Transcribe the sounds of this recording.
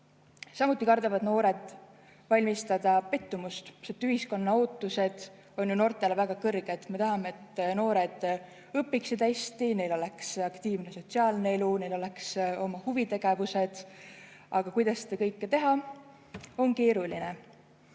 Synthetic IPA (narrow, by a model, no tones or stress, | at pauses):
sɑmut̪ːˑikɑrd̪ɑvɑd̪no̞ːɾe̞d̪̥ | vɑlʲmist̪ɑd̪ɑpe̞t̪ːumust̪set̪yhisko̞nːɑo̞ːt̪ːˑuse̞d̪̥ | o̞nʲjuno̞rt̪ˑe̞levæɡ̥ɑkɤrɡ̥e̞d̪̥me̞t̪ɑɦɑmeːt̪ːˑno̞ːɾed̪̥ | ɤpːˑiksid̪est̪ine̞jlo̞le̞ksɑkt̪iːvne̞so̞t̪siɑːlnee̞lune̞jlo̞le̞kso̞mɑhuvit̪e̞ɡ̥e̞vuse̞d̪̥ | ɑɡ̥ɑkujd̪̥ɑsːed̪ɑkɤ̞jkːet̪e̞ɦɑ | o̞nke̞ːɾuline